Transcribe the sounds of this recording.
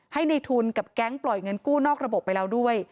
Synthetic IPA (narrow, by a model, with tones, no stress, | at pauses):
ha˥˩jna˧jt̪ʰuː˧nka˨˩p̚kɛ˦˥ŋplɔ˨˩jŋɤ˧nkuː˥˩nɔː˥˩k̚ɾa˧bo˨˩pːa˧jla˧wdu˥˩əj